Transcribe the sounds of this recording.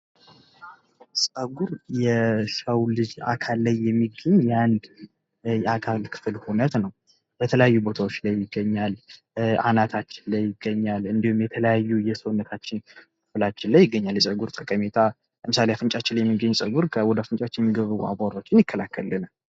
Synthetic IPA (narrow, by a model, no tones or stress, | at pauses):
sʼəɡuɾjɛʃəwlɨd͡ʒa̰kʰalːajːɛmːiɡəɲjand̪ | jakʰalkʰɨ̥fɨlhunət̪nəw | bət̪ʰələjajːubo̞t̪ʰawo̞t͡ʃːlajːɪɡːəɲːal | ʔa̰nat̪ʰat͡ʃːɪnlajːɪɡːəɲːalɨnd̪ihumjɛt̪ʰələjajːujɛsəwnːət̪ʰat͡ʃːɪnkʰɨflat͡ʃːɪnlːajːɪɡːəɲːaljɛsʼəɡuɾt̪ʼəkʼəmet̪ʰa | ləmɨsaleafɨnt͡ʃʼat͡ʃːɪnljɛmːiɡəɲːusʼəɡuɾkʰəwɔd̪əfɨnt͡ʃʼat͡ʃːɪnjɛmːiɡəβɨua̰baɾot͡ʃːɪnjɪkʰːəlakːəlːɨn